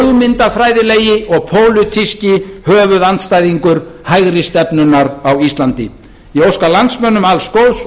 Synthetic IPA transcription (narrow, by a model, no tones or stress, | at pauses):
lmɪnt̪afɾaːjðɪleːjɪɔɣpʰoːwlʏt̪ʰiscɪhœːvʏðant̪st̪ajðiŋkʏɾ̥hajɣɾɪst̪ɛpnʏnaɾawist̪lant̪ɪ | jiɛowskalant̪smœnʏmalskowðs